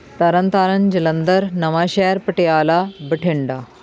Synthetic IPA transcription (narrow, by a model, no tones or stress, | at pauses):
t̪ɐɾənt̪aːɾɐnd͡ʑilənd̪əɾnɐʋaːɕejɾpəʈeaːlabəʈʰeɳɖa